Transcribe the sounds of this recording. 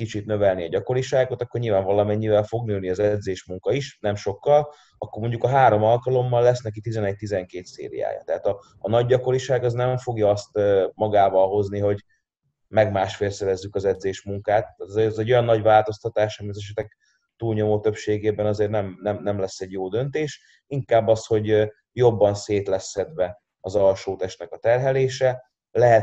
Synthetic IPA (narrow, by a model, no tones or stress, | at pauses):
kit͡ʃit̪nø̞vɛlniɒɟɒko̞ɾiʃaːɡot̪ɒkːorɲilvaːɱvɒlɒmɛɲːivɛlfo̞ɡnøːlniɒzɛd̪zeːʃmuŋkɒiʃnɛmʃo̞kːɒl | ɒkːormoɲɟukɒɦaːɾo̞mɒlkɒlo̞mːɒlːɛsnɛkit̪izɛnɛc̚t̪izɛŋkeːt̪sḛːɾḭja̰ːjɒ̰t̪ɛɦaːt̪ɒː | nɒɟːɒko̞ɾiʃaːɡɒznɛɱfo̞ɡjɒɒst̪ːmɒɡaːvɒlɦo̞zniɦo̞ɟ | mɛɡmaːʃfeːlsɛɾɛzːykɒzɛd̪zeːʃmuŋkaːt̪ːaːt̪ɛzzɛɟo̞jɒnːɒɟvaːlt̪o̞st̪ɒt̪aːʃɒmiɒzɛʃ̬ɛt̪ɛk̚ | t̪uːlɲo̞moːt̪ø̞pʃeːɡeːbɛnɒzeːrnɛmnɛmnɛmlɛsːɛɟjoːd̪ø̞nt̪eːʃ | iŋkaːbːɒsho̞ɟ | jo̞bːɒnseːt̪lɛsːɛd̪vɛ | ɒzɒlʃoːt̪ɛʃt̪nɛkɒt̪ɛrɦɛleːʃɛ | lɛɦɛt